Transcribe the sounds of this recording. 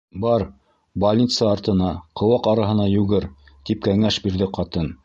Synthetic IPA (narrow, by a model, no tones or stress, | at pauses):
bɑɾ | bɐlʲnʲit̪sɑɑɾt̪ɤ̆nɑqʰɤ̆wɑqɑɾɑɦɤ̆nɑjʉɡɘɾ | t̪ip̚kæŋæʃbiɾðɘqɑt̪ɤn